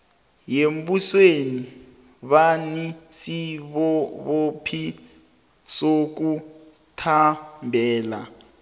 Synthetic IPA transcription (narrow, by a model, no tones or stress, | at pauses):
jembusweni | βanisiβɔβopʰi | sok̬u | tʰambʱɛːla̰